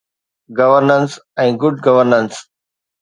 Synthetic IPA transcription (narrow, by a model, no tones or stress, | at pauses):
ɡɐʋəɾnə̃nsɛ̃ːɡʊɖɡɐʋəɾnə̃ns